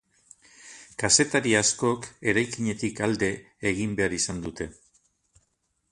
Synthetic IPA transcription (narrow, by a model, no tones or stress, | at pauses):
kase̞t̪aɾiasko̞ke̞ɾajkiɲe̞t̪ikald̪e̞ː | ɣimbe̞aɾisand̪ut̪e̞